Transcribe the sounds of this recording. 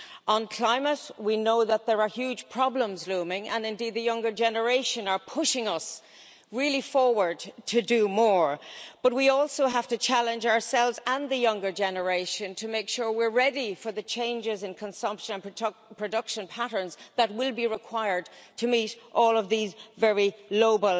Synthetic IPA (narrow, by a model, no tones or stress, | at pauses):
ə̃nkʰl̥ãɪ̃mətwinoʊðət̪̚ðə˞ə˞hjʉ̥ʒ̥pʰɹ̥ɑblə̃mzlũːmɪ̃ŋə̃nɪ̃ndid̪̚ðɨjʌ̃ŋɡə˞d͡ʒɛnə˞eɪʃə̃nə˞pʰʊʃɪ̃ŋʌs | ɹilifɔɹwə˞d̚tʰɨdɨmɔːɹb̥ʌt̚wiɔlˠsoʊɦaftɨt͡ʃʰalɨ̃nd͡ʒaə˞sɛlˠvzə̃nðɨjʌ̃ŋɡə˞d͡ʒɛnə˞eɪʃɨ̃ntʰəmeɪkʃʊɹwɪɹɹɛɾifə˞ðɨt͡ʃʰẽɪ̃nd͡ʒɪzɨ̃nkʰə̃nsʌ̃mpʃə̃nə̃npʰpʰɹ̥ɨdʌkʃə̃npʰaɾə̃˞nzðət̚wɪlˠbiɹɪkʰw̥aɪə˞d̚tʰɨmiɾʔɔːlˠʌvðizvɛɹiloʊbəl